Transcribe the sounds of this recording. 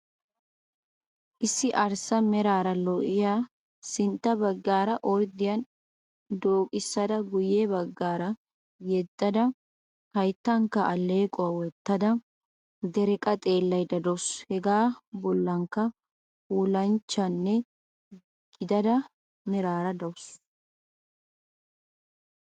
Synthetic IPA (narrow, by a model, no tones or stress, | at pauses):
ʔɪsːɪʔɐɾsɐmɛɾaːɾɐlɔʔɪjaː | sɪnt̪ːɐbɐɡːaːɾɐʔɔjd̪ɪjɐn | d̪oːkʼɪsːɐd̪ɐɡʊjebɐɡːaːɾɐ | jɛt̪ʼːɐd̪ɐ | kɐjt̪ːɐŋkːɐʔɐlːeːkʼɔwɐwɛt̪ːɐd̪ɐ | d̪ɛɾɛkʼɐt̪ʼe̞ːlːɐjd̪ɐd̪ɔshɛɡaːbɔlːɐŋkːɐ | uːlɐnt͡ʃːɐnːɛ | ɡ̥ɪd̪ɐd̪ɐ | nɪɾaːɾɐd̪ɐwʊs